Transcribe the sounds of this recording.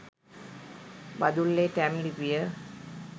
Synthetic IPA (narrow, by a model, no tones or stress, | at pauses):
bɐd̪uɭːeʈæmlipijə